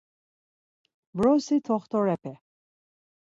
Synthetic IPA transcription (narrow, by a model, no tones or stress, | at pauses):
bɾɔsit̪ʰɔχt̪ʰɔɾɛpʰɛ